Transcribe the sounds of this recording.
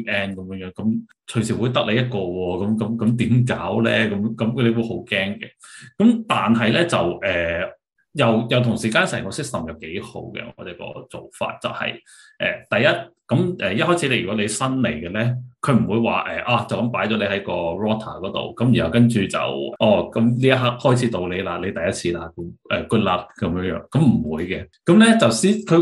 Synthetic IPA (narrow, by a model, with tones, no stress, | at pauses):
ʔɛː˥nkɐ˨˦mjœː˧˥ŋjœː˨˧˥ŋkɐ˨˥m | t͡ʃʰɵ˨ɥsi˨˩wuː˨˧jt̪ɐ˥k̚le˨˧jɐ˥t̚kɔː˧wɔː˧kɐ˨˥mkɐ˨˥mkɐ˨˥mt̪iː˨˥mk̬aː˨˥wlɛ̰˥kɐ˨˧˥mkɐ˨˥mkʰle˨˧wu˨˧˥ho˨˥wkɛː˥ŋkɛ̰˨kɐ˨˥mt̪aː˨nɦɐ˨jlɛː˥t͡sɐ˨wʔɛː˨˩ | jɐ˨wjɐ˨wt̪ʰʊ˨˩ŋsiː˨˩kaː˧˥nsɛː˨˩ŋkɔː˧sɪ˥k̚sɐ˨mjɐ˨wke˨˥jho̰˨˥wkɛ̰˧ŋɔ̰ː˨˧t͡sɛː˨˥kɔ̰ː˧t͡so˨wfa̰ː˧t̚t͡sɐ̰˨whɐ̰˨˩j | ʔɛ̰ː˨˩t̪ɐ˨jːɐ˥t̚kɐ˨˥mʔɛː˨˩jɐ˥t̚hɔː˥jt͡sʰiː˨˧˥le˨˥jɥy˨kɔ˨˥le˨˧jsɐ˥nle˨˩jkɛː˧lɛ˥kʰɵ˨˧m̩˨˩wuː˨˧jwa̰ː˨˩ʔɛː˨ʔaː˧t͡sɐ˨wkɐ˨˥mpaː˨˥jt͡ʃɔ˨˥le˧hɐ˨˥jkɔː˧ɹɔː˥t̪ʰaː˨˩kɔː˨˥t̪o̰˨wkɐ˨˥mjy˨˩nhɐ˨˩wkɐ˥nt͡ʃyː˨t͡sɐ̰˨wʔɔː˧˩kɐ˨˥mliː˥jɐ˥t̚ɦa˥k̚hɔː˥jt͡sʰiː˨˥t̪o˨wle˨˧jlaː˧le˨˧jt̪ɐ˨jɐ˥t̚t͡sʰiː˨˧laː˧kmʔɛː˨kuː˧t̚laː˧t̚kɐ˨˦mjœ˧˥ŋjœː˧˥ŋkɐ˨˥mm̩˨˩wuː˨˧jkɛ˧ | kɐ˨˥mlɛ˥t͡sɐ˨wsiː˥kʰɵ˨˧